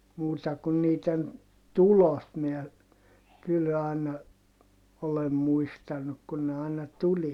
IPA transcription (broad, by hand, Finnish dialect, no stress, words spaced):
muːtɑ kun niːten tulot miæ kyl ɑˑinɑ olem muistɑnuk kun ne ɑˑinɑ tuliɑ